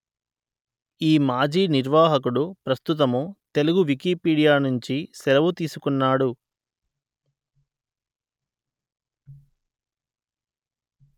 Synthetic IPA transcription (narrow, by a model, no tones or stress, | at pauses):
iːmaːd͡ʒiːniɾʋaːɦɐk̬uɽupɾɐst̪ut̪̬ɐmut̪e̞luɡuʋikiːpiːɽijaːnuɲt͡ʃisɛlɐʋut̪iːsukunːaːɽu